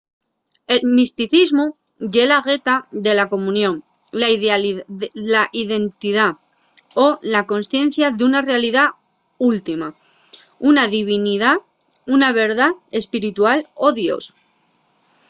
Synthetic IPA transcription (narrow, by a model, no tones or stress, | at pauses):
e̞lmist̪iθizmu | ʝe̞laɣe̞t̪aðe̞lako̞mũnjõ̞n | la | laʔiðe̞nt̪iða | olako̞nsθje̞n̟θjaðunarealiða | ult̪ima | unaðiβ̞iniða | unaβe̞ɾð̞aðe̞spiɾit̪ualo̞ðjo̞̰s